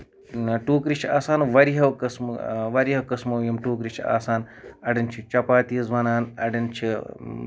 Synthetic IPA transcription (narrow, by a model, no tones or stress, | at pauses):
ʈuːkɾit͡ʃʰaːsaːnʋɐɾiɦɐʋkɐsmʋɐɾiɦɐwkɐsmɐwjɐmʈuːkɾiʃʰia̰ːsaːnɐɖint͡ʃʰit͡ʃɐpaːt̪iːzʋɐnaːnɐ̰ɖint͡ʃʰi